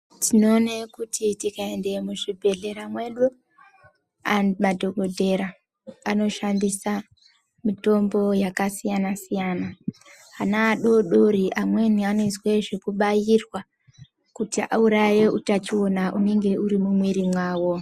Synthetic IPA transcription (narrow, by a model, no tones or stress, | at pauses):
tʰino̞ːnekutʰitikae̞nde̞muʐibʱe̞ɮe̞ɾamwe̞ɗu | amadʱo̞ɡʱo̞dʱe̞ɾaː | no̞ʃandisa | mito̞mbo̞jakasijanasijana | anaːɗo̞ɗo̞ɾiʔamwe̞nianoizwe̞ʐe̞kuɓajirwa | kutiʔa̰uɾaje̞ʔutat͡ʃio̞naʔune̞ŋɡe̞uɾimumwiɾimwaːwo̞